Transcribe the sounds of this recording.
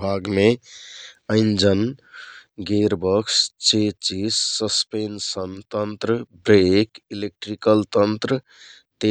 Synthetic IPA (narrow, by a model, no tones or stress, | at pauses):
bʱaɡme | əɪnd͡ʒən | ɡeɾbəkst͡ʃet͡ʃisːəspensənt̪ənt̪ɾəbɾekilek̚ʈɾikəlt̪ənt̪ɾə | t̪e